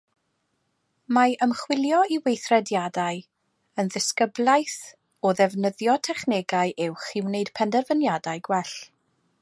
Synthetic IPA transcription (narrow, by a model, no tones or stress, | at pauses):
maʔəmχwɪlˠjɔiwejθrɛdjadaɨ | ənðɪskəblˠajθ | ɔðɛvnəðjɔtʰɛχnɛɡaɨʔɪwχiwneɨd̥pʰɛndɛrvənjadaɨɡwɛɬ